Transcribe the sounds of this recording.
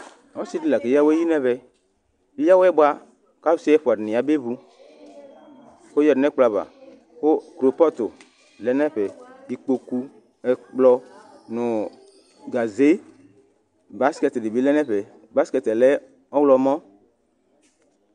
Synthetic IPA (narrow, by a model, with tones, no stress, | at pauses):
ɔ˦si˦di˨la˨ke˨ja˦we˦ji˦nɛ˦βɛ˨ | i˦ja˦wɛ˦bwa˦ | ka˦si˦ɛ˦ɸo˨a˨dni˨a˨be˦bu˧ | xo˦jɛ˨dnɛ˦k͡pla˨βa̰˨ | xo˦kɾo˨pɔ˦t̪o˨ | lɛ˦nɛ˦ɸɛ˨i˨k͡po˨ku˦ | ɛ˨k͡plɔ˦ | nʊ˨ | ɡa˨ze˦ | ba˨˦skɛ˧te˨di˨bi˨˦lɛ˦nɛ˦ɸɛ˨ | ba˨˦skɛ˨t̪ɛ˨lɛ˦ | ɔ˦wlɔ˧˨mɔ̃˦